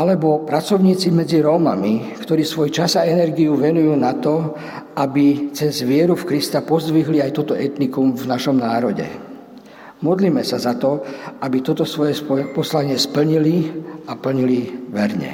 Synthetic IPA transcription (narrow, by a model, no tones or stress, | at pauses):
ʔalɛbɔpɾat͡sɔʊɲiːt͡simɛd͡ziɾɔːma̰mikt̪ɔɾiːsʋɔjt͡ʃazaɛnɛɾɡiuʋɛnujuːnat̪ɔ | ʔabit͡sɛzʋɪɛɾufkɾist̪apɔzd̪ʋiɦliajt̪ɔt̪ɔʔɛt̪nikumvnaʃɔmnaːɾɔɟɛ̰ | mɔd̪liːmɛsazat̪ɔʔabit̪ɔt̪ɔsʋɔjɛspɔjɛpɔslaɲɪɛspl̩ɲiliapl̩ɲiliʋɛɾɲɛ̰